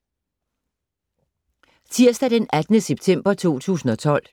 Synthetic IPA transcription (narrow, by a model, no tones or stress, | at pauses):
t͡sʰiɐ̰sd̥æd̥enæd̥nəseb̥̚t͡sʰem̰b̥ɐt͡sʰo̝̰ːt͡sʰṵːsn̩ɒ̽t͡sʰɒ̽l̰